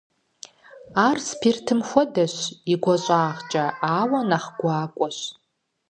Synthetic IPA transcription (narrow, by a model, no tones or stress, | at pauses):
aːrspʰirtʰɨmxʷɔdɐɕiɡʷɐɕʷʼaːʁt͡ʃʼɐaːwɐnaχɡ̥ʷaːkʷʼɔʃ